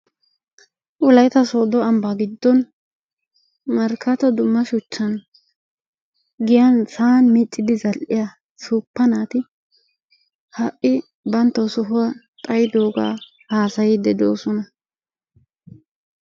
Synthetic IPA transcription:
ʔʊlɐjt̪ɐsoːd̪ɔɐmbaɡɪd̪ːɔn | mɐɾkʰːɐt̪ɔd̪ʊmːɐʃʊt͡ʃːɐn | ɡɪjɐnsaːnmɪt͡ʃʼːɪd̪ɪzɐlʔɪjɐ | suːpːɐnaːt̪ɪ | hɐʔɪ | bɐnt̪ːɐwsɔɦʊwa | t̪ʼɐjɪd̪oːɡa̰ː | haːsɐjɪd̪ɛd̪oːsɔnɐ

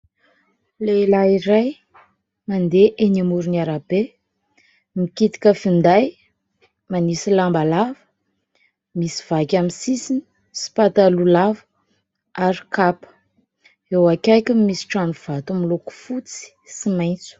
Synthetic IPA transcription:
lelaiɾaj | mand̪eʔenimuɾinaɾabe | mikit̪i̥kʲəfind̪aj | manisilambalavə̥ | misi̥v̥akʲamisisini̥ | si̥pat̪alulavə | aɾikapə̥ | ewakʲajkʲumisi̥ʈ͡ʂanuv̥at̪umiloku̥fut͡si̥simajnt͡su̥

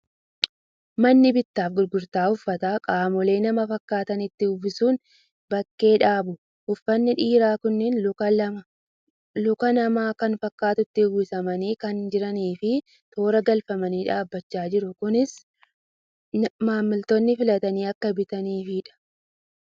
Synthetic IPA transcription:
mɐnːɪbɪt̪ːaːfɡʊɾɡʊɾt̪aːhʊfːɐt̪aːkʼaːmɔle̞ːnɐmɐfɐkːaːt̪ɐnɪt̪ːɪʊbɪsuːn | bɐkːe̞ːᶑaːbʊ | hʊfːɐnːɪᶑiːɾaːkʊnːɛn | lʊkɐnɐmaːkɐnfɐkːaːt̪ʊt̪ːɪɡuːsɐmɐniːkɐnd͡ʒɪɾɐniːfɪ | t̪o̞ːɾɐɡɐlfɐmɐniːᶑaːbːɐt͡ʃːaːd͡ʒɪɾʊkʊnɪs | maːmːɪlt̪ɔnːɪfɪlɐt̪ɐniːɐkːɐbɪt̪ɐniːfɪᶑɐ̥

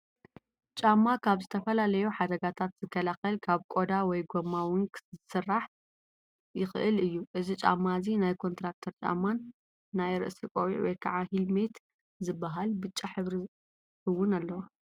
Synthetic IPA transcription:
t͡ʃʼamːakʰaβzɨt̪ʰɐfɐlalɐjuħad̪ɐɡat̪ʰat̪z̥ɨkʰːɐlaxɐlkʰaβkʼo̞d̪awɔjɡomːawuŋkzɨsɨrːaħ | jɪxɨ̰ʔɨlɨjːuʔɨzit͡ʃʼa̰mːazinajkʰo̞nt̪ɾak̚t̪ʰɐɾt͡ʃʼa̰mːanː | ajɾɨ̰ʔsikʼowḭʕwɔ̰jkʰaʕahilmet̪ | zɨbːaɦalbɨt͡ʃʼːaħɨβɾi | hɨwːʊnalːɐwo

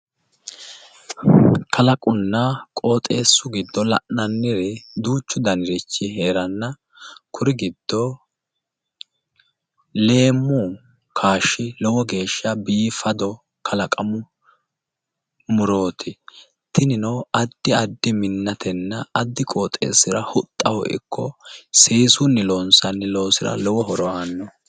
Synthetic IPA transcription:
kʰɐlɐkʼʊnːɐkʼo̞ːt̪ʼe̞ːsːʊɡɪd̪ːɔlɐ̰ʔnɐnːɪɾɛd̪uːt͡ʃːʊd̪ɐnɪɾɛt͡ʃːɪɦe̞ːɾɐnːɐ | kʰʊɾɪɡɪd̪̥ːɔ | le̞ːmːu | kʰaːʃːɪlɔwɔɡe̞ːʃːɐbiːfɐd̪ɔ | kʰɐlɐkʼɐmʊ | mʊɾo̞ːt̪ʰɪ | t̪ʰɪnɪnɔwɐd̪ːɪɐd̪ːɪmɪnːɐt̪ʰɛnːɐːd̪ːɪkʼoːt̪ʼḛːsɪɾɐhʊt̪ʼːɐwɔ̰ʔɪ̰kːɔseːsʊnːɪloːnsɐnːɪlo̞ːsɪɾɐ̰lɔwɔɦɔɾɔanːɔ

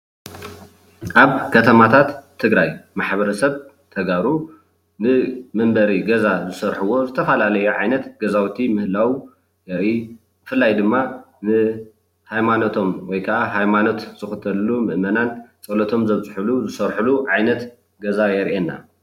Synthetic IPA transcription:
ʔaβkʰɐt̪ʰɐmat̪ʰat̪ʰːɨɡɾajmaħβɐɾɐsɐβ | t̪ʰɐɡaɾu | nɨmɐmbɐɾiɡɐzazɨsɐɾħuwo̞zɨt̪ʰɐfɐlalɐjuʕajnɐt̪ɡ̥ɐzawt̪ʰimɨhlaw | jɛɾʔi | b̥ɨfɨlːajd̪ɨmːa | nɨ | hajmanot̪ʰo̞mwɔjkʰɐʔaɦajmano̞t̪z̥ɨxɨt̪ʰɐlːumɨʔmɐnant͡sʼɐlɐt̪ʰo̞mzɐβt͡sʼɨħuluzɨsɐɾħuluʕajnɐt̪ | ɡɐzajɛɾʔenːa̰

